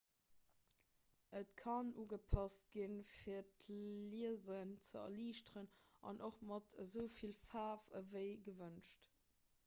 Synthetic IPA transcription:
ʔətkʰɑnuːɡəpʰɑst̚ɡ̥infiːɐtliəzənt͡səɐ̰liːʃtəʁənɑ̰nʔoχmɑtʰəzəʊfilfaːfə̰vəɪɡəvənʃt

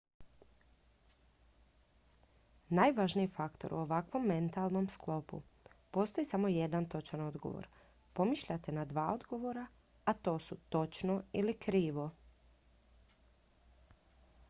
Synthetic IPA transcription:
naːjʋaʒniifakt̪o̞ɾʔṵoʋakʋo̞mːe̞nt̪alˠno̞msklˠo̞pṵpo̞ːst̪o̞jisamo̞jed̪ant̪o̞t͡ʃano̞d̪ɡo̞̰ʋo̰ɾ | po̞miʃʎat̪e̞nad̪ʋaːo̞d̪ɡo̞ʋo̞ɾa | at̪o̞ːsut̪o̞t͡ʃnoilikɾiːʋo̞

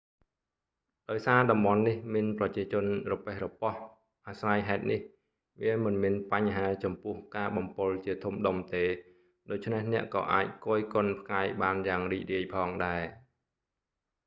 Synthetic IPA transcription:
ɗaɔjsaːɗɑmɓɑnːihmiənprɑt͡ɕiət͡ɕʊ̆ənrɔpeːhrɔpɑh | ʔasrajɦaɛt̪̚nih | ʋiəmɨnmiənpaɲɦaːt͡ɕɑmpʊ̆əhkaːɓɑmpʊlt͡ɕiət̪ʰumɗomt̪eː | ɗoːc̚t͡ɕʰnehnɛ̆əʔkɑ̰ːʔaːc̚koːjkʊ̆ənpʰkaɛjɓaːnjaːŋriːc̚riəjpʰɑːŋɗaɛ

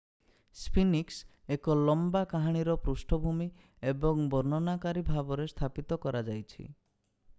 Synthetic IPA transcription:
spʰiniks | ekɔlɔmbakaɦaɽ̃iɾɔpɾusʈʰɔbʱumi | ebɔŋbɔɾnɔnakaɾibʱabɔɾest̪ʰapit̪ɔkɔɾad͡ʒajt͡ʃʰḭ

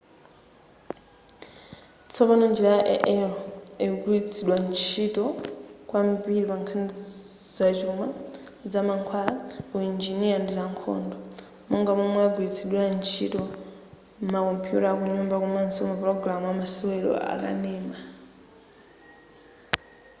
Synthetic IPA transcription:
t͡sʰɔpanɔnd͡ʒɛɾajaʔɛ̰ʔɛlɛɡuit͡sʰiɗwant͡ʃʰitɔkwambiɾipaŋkʰanid͡zat͡ʃuma | d͡zamaŋkʰwalakuind͡ʒiniandid͡zaŋkʰɔ̰ndɔ | mɔŋɡamɔmwɛaɡwit͡sʰiɗwant͡ʃʰḭtɔ | makɔmpʰiṵtakuɲumbakumansiɔmapɾɔɡɾamuwamasɔwɛlɔ̰a̰ka̰nɛːma

